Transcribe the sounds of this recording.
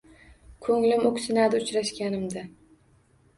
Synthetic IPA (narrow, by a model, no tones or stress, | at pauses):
kʰɵŋlɪmokʲsɪnad̪ɪʊt͡ʃɾaʃkʲanɪmd̪ɪ